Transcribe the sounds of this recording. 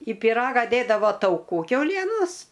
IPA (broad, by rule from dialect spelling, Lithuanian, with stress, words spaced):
ɪ pʲɪˈrɑːɡɐ ˈdʲeːdɐʋoː tɐʊˈkuː kʲɛʊˈlʲiɛnoːs